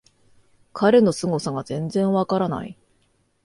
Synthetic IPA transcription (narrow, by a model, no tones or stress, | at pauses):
kʰaɾe̞no̞sɨŋo̞saɡazẽ̞nd͡zẽ̞ɰ̃βakaɾana̰i